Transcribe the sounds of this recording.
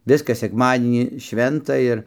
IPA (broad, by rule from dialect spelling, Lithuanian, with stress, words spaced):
ˈʋʲɪskɐs sʲɛkˈmɑːdʲiɛnʲiː ˈʃʲʋʲɛntɐ ɪr